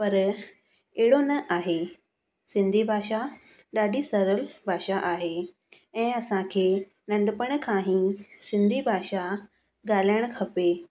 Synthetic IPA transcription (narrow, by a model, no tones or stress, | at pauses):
pɐɾ | eɦɪɽonɐʔaːɦe | sɪ̃nd̪ʱibʱaːʃa | ɗaːɖisɐɾəlbʱaːʃaʔaːɦeː | ɛ̃ːɐsãkʰeː | nɐ̃ɳɖəpəɽ̃kʰãːɦĩsɪ̃nd̪ʱibʱaːʃa | ɠaːl̤ijəɽ̃kʰɐpe